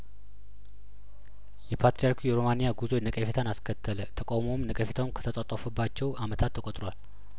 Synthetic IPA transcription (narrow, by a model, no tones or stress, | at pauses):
jɛpʰat̪ɾijaɾkʰujɛɾo̞manijaɡuzo̞jɛnəkʼəfet̪ʰanaskʰət̪ʰːələt̪ʰəkʼawmomnəkʼəfet̪ʰawnkʰə̥t̪ʰət̪ʼat̪ʼafubːat͡ʃːɛwamət̪ʰat̪ʰːəkʼot̪ʼɾowal